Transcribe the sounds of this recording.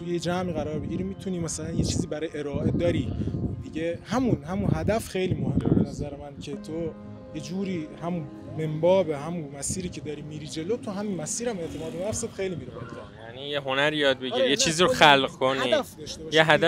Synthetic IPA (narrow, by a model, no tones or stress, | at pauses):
t̪ʰujed͡ʒæmiːɣæɾɒːɾbe̞ɟiɾiːmiːt̪ʰuniːmæsælænjet͡ʃʰiːziːbæɾɒːjeeɾɒːʔed̪ɒːɾiːd̪iɟehæmunɦæmunɦæd̪æfxe̞jliːmohemːebenæzæɾemæncʰe̞t̪ʰo | jed͡ʒuːɾiːhæmun | me̞mbɒːbeɦæmunmæsiːɾiːcʰe̞d̪ɒːɾiːmiːɾiːd͡ʒe̞lot̪ʰoɦæminmæsiːɾæme̞ʔt̪ʰemɒːd̪emæfsebxejliːmiːɾebolt̪ʰæjænijeɦonæɾijɒːd̪̚beɡiɾɾijet͡ʃʰiːziɾoxælɢkʰonid̪æfd̪ɒʃt̪ebɔʃjeɦæd̪æ